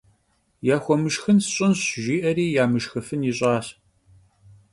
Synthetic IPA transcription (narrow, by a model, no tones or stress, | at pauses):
jaːxʷɔmɨʃxɨnsɕʼɪnɕʒiːʔɐɾiːjaːmɨʃxɨfɨniɕʼɑːɕ